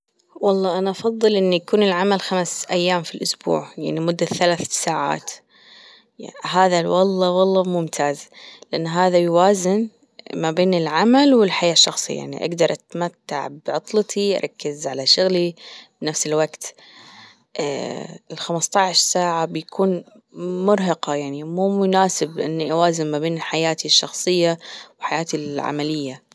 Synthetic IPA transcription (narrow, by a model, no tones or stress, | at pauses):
wɑlˤːɑːʔanaʔɑfɑðˤːɨlʔɪnːujakuːnɪlʕamalxamsʔajːaːmfilʔʊsbṵːʕjaʕnimʊd̪ːaθalaːθsaːʕa̰ːt̪ | ɦaːðawɑlˤːɑwɑlˤːɑmʊmt̪ʰaːzlɪʔanːɦaːðajwaːzɪn | mabeːnɪlʕamalwɪlħajaːʃːɑxsˤɨ̰jːa̰ʕnḭʔa̰ɡd̪ɑɾˤʔat̪mat̪ːa̰ʕbʕʊt̪ˤlɑt̪ʰiʔa̰ɾˤɑkːɪzʕalaʃʊɣlibnafsɪlwaɡt̪ | ʔɪlxamɪst̪ˤɑʕʃsaːʕabjakʰuːn | mʊɾɦɑqɑjaʕnimuːmʊnaːsɪbʔɪ̰nːiʔawaːzɪnmabeːnɪħajaːt̪iʃːɑ̰xsˤɨjːawħajaːt̪ilʕa̰malɪjːa